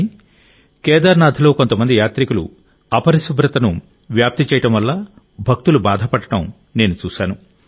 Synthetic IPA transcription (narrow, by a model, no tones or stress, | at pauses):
kɛːd̪aɾnaːd̪ʱilo̞ːkont̪ɐmɐnd̪ijaːt̪ɾikulṵ | ɐpɐɾisubɾɐt̪ɐnu | ʋjaːp̚t̪it͡ʃɛːjɐʈɐmʋɐlːaː | bʱɐk̚t̪ulubaːd̪ʱɐpɐɽɐʈɐm | ne̞ːnut͡ʃuːʃaːnu